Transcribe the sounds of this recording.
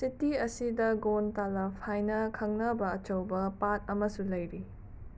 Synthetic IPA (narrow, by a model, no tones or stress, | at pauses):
sitiɐsidɐɡontalɐpʰajnɐkʰɐŋnɐbɐːt͡ʃɐwbɐpat̚ɐmɐsulɐjɾi